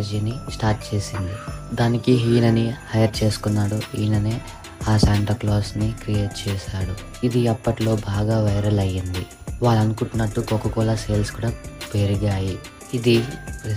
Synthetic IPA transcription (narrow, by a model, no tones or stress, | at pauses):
d͡ʒiːnisʈaːɾʈ̚t͡ʃe̞ːsind̪id̪aːnikiɦiːnɐnihɐjɐɾt͡ʃe̞ːsu̥kunːaːɽuhiːnɐneː | aːsaːɳʈɐkloːsnikɾije̞ːʈ̚t͡ʃɛːʃaːɽu | id̪iɐpːɐʈlo̞ːbʱaːɡaːʋɐjɾɐlɐjːind̪i | ʋaːɭɐnukuɳʈːunːɐʈːukokːɐkɔːlase̞ːlskuːɽaːpeːɾiɡaːji | id̪i